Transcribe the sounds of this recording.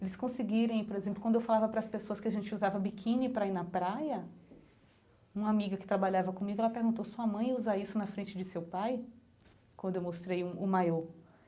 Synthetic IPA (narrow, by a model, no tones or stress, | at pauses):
elɪskõsɪɡiɾẽj̃poɾezẽplʊkw̃d̪ewfalavɐpɾɐspesoɐskɪaʒẽnt͡ʃɪuzavɐbikʰĩnɪpɾɐainɐpɾajɐ | ũamiɡɐkɪ̥t̪ɾabaʎavɐkõmiɡʊɛlɐpeɾɡũnt̪owsuɐmɐ̃j̃uzaisʊnɐfɾẽnt͡ʃɪd͡ʒɪsewpaj | kwɐ̃nd̪ʊewmost̪ɾejũʊmajo